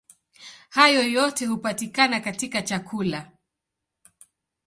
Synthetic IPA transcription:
hajɔjɔtɛhupatikanakatikat͡ʃakʰula

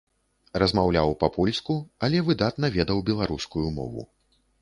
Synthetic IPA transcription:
rɐzmawlʲawpɐpʰɔlʲskuɐlʲɛvɨd̪at̪nɐvʲɛd̪ɐwbʲɛlˠaɾuskujumɔ̰vṵ

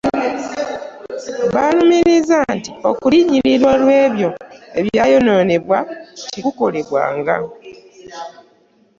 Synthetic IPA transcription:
βanumiɾizantio̞̰kuliɲiɾiɾwalwe̞ːβjo̞e̞βjajo̞no̞ːne̞βwacikuko̞le̞βwa̰ːŋɡa̰

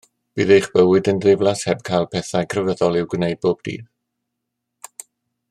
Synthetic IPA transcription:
b̥iːðejχb̥əwɨdəndrɪvlˠashɛb̚kʰajlˠpʰɛθajkʰrəvəðɔlˠɪwɡwnejd̚boːbd̥ḭːð

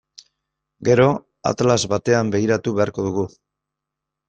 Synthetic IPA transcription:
ɡe̞ɾo̞ | a̰t̪alazβat̪e̞ambe̞iɾat̪uβe̞aɾko̞ðuɣ̞u

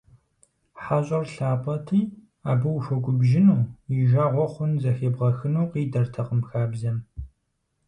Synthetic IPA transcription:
ħaɕʼɐrɬaːpʼɐtʰiː | aːbɨwfʷɔɡʷʼʊbʒɪnuːjiʒaːʁʷɔχʷʊnzɐxeːbʁɐxɨnuːqiːdɐrtʰɐqəmxaːbzɐm

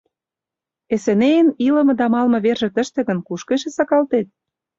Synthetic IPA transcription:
esĕneənilə̆mɤ̆d̪ɑmɑlmɤ̆βerʒĕt̪ə̆ʃt̪ĕɣə̆nkuʃkeʃĕsɑkɑlt̪et̪̚

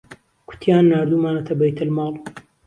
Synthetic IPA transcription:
kʰʊ̥t̪ʰijaːnːaːɾd̪umaːnɐt̪ʰɐbɐjt̪ʰɐlmɑːl

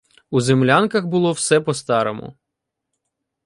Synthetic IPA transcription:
uzemlʲankɐxbʊlˠɔwsɛpɔst̪ɑɾomʊ̰

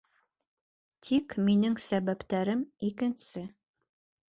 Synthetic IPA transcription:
t̪ʰikminɘŋsæβæpt̪æɾɘmikɘ̆nsɘ

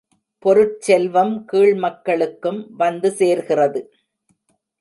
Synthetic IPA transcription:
pɔɾɯʈ̚t͡ʃɛlʋɐmkiːɭmɐkːɐɭɯkːɯmʋɐnd̪ɯseːɾɣɪrɐðɯ

